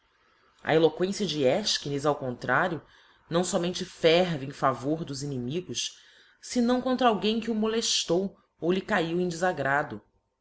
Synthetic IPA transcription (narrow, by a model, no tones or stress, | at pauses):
ɐ̰elokwẽsiɐd͡ʒɪɛʃkinizawkõnt̪ɾaɾjʊ | nɐ̃w̃sɔmẽnt͡ʃɪfɛɾvɪẽj̃favoɾd̪ʊzinimiɡʊs | sɪnɐ̃w̃kõnt̪ɾɐawɡẽj̃kɪumoleʃt̪ow | owlɪkaiwẽj̃d͡ʒɪzaɡɾad̪ʊ